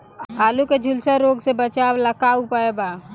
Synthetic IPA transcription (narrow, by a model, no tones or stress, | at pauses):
aːluked͡ʒʱulsəɾoːɡsebət͡ʃawləkaupəeba